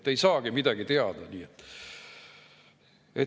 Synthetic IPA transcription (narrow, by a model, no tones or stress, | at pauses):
t̪ːejsɑːɡ̥imid̪æɡ̥it̪eɑd̪̥ɑniːet̪ː | e